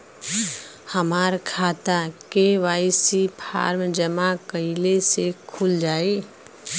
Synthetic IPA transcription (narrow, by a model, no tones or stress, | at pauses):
həmaːɾkʰaːt̪akeʋaːɪsipʰa̰ːɾmd͡ʒəmakəɪlesekʰuld͡ʒaːe